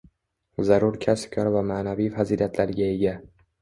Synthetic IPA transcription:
zaɾʊɾkʲʰaskʲʰɒɾvamaːnavijfaziliat̪ʰlaɾɡʲae̞ɡʲa

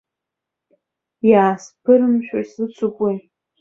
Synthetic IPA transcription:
jaːspʰɨɾɨmʃᶣa̰sɨt͡sʷʰʊkʷʼej

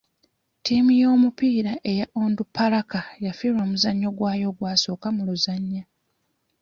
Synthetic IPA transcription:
tiːmijo̞ːmupiːɾaʔe̞jaʔoːndupːalakajafiːɾwoːmuzaɲːo̞ɡwaːjo̞ɡwaːso̞ːkamuluzaɲːa

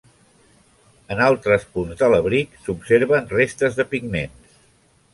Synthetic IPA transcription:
ənalˠt̪ɾəspunzðələβɾiksupseɾβənrest̪əzðəpiɡnens

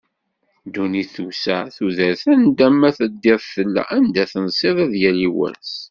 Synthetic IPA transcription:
d̪uniθusæθuðəɾθænd̪æmːæθəd̪ːɪðˤθəlːæ̰ʔænd̪æθənsˤiðˤæðjæliwæ̰ɾs

